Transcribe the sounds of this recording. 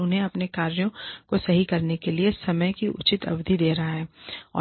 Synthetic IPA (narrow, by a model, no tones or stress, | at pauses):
ʊnɦẽɐpnekaːɾjõkosɐɦikɐɾnekeliesɐməjkiʔʊ̰t͡ʃɪt̪ɐ̰ʋd̪ʱid̪eːɾɐɦaɦɛːɔ̰ː